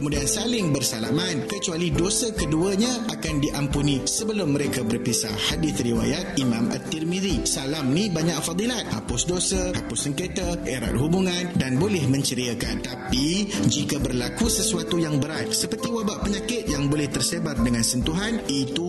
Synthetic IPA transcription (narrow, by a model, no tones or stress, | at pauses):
kəmudiansalɪŋbərsalamankət͡ʃualidosakəduəɲaʔakandiʔampunĩsəbəlʊmːə̃ɾekabərpisa̰hadɪθriwa̰jat̪̚imãmʔa̰t̪ːirmidisalamnĩbaɲakfad̪ˤilat̪̚ha̰pʊsdosəha̰pʊsːəŋket̪aeɾa̰t̪̚ɦubuŋãndanbolɛhmə̃ɲt͡ʃəɾiaka̰nt̪apid͡ʒikabərlakusəsuat̪ujaŋbəɾat̪̚səpərt̪iwabaʔpəɲãkɪt̪̚jaŋbolɛht̪ərsebardəŋãnsənt̪uɦanit̪u